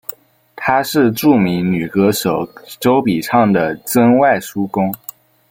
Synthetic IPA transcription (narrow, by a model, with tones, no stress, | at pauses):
t̪ʰa˥ʂɻ̩˥˧ʈ͡ʂu˥˩mi˧˥ŋny˨˩kɤ˧˥ʂo˨˩ʊʈ͡ʂo˥ʊpi˨˩ʈ͡ʂʰɑ˥˩ŋd̪ə˩t͡sə˥ŋwa˥˩ɪʂu˥kʊ˥ŋ